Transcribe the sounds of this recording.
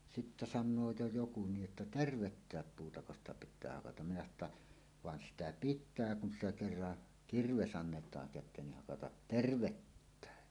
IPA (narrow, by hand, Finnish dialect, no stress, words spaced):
sitːæ sɑnːoː jo joku niːʔ ʔetːæ terʋetːæːp puːtɑko stɑ pitˑæː hɑkɑtɑm minæ sɑno tːɑ ʋɑn sitæ pitˑæː kun sitæ kerːɑ kirʋes ɑnːetˑɑːŋ kætˑeːn ni hɑkɑtɑt terʋetːæˑe